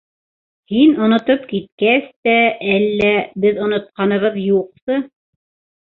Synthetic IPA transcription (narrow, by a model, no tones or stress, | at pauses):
hinŏnŏt̪opkit̪̚kæst̪æælːæbɘðŏnŏt̪̚qɑnɤ̆βɤðjuq̚t̪ɤ